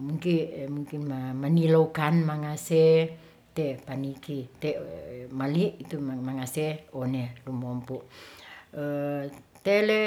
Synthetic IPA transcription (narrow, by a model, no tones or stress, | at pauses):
muŋkimuŋkinmamanilokanmaŋase | t̪epanikit̪emaliʔit̪umaŋaseonelumɔmpuʔ | ət̪ele